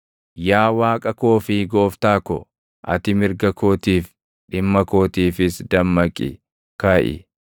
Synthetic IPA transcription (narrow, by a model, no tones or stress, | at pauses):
jaːwaːkʼɐkoːfɪɡo̞ːft̪aːkɔ | ʔɐ̰t̪ɪmɪɾɡɐko̞ːt̪iːf | ɗɪmːɐko̞ːt̪iːfɪsd̪ɐmːɐkʼːɪ̰ | kaːʔɪ̰